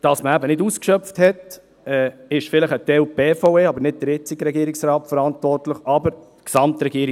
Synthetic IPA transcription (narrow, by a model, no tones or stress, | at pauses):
d̥ɑsməæbənɪduskʃœpfthɛt | ɛːɪʃfɪləχət̪ɛlpeːfɔʊeːɑbəɾnɪt̚d̥̪əɾɪt͡sɪɡɾɛɡiːɾɪksɾɑːtfəɾɑntʋɔrtləχɑbəɾ | ksɑmt̪ɾɛɡiːəɾɪ